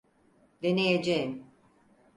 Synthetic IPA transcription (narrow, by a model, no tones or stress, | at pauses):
d̪enejed͡ʒejim